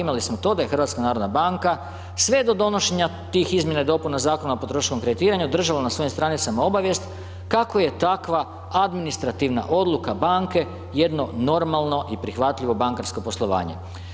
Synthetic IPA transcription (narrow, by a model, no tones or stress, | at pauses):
imalismot̪o̞d̪aje̞xrɾʋat̪skanaːɾo̞d̪nabaŋka | sʋe̞d̪o̞d̪o̞no̞ʃeɲa | t̪iːxizmjenaed̪o̞punazaːko̞naopo̞t̪ɾoʃko̞mkɾed̪it̪iːɾaɲud̪r̩ʒalanasʋo̞imst̪ɾanit̪samao̞baʋje̞st̪ | kako̞je̞t̪akʋa | ad̪minist̪ɾat̪iʋna̰ʔo̞d̪lˠukabaŋke̞ | je̞d̪no̞no̞ɾmalˠno̞ʔipɾixʋat̪lʎiʋo̞baŋkaɾsko̞po̞slˠo̞ʋa̰ːɲe̞̰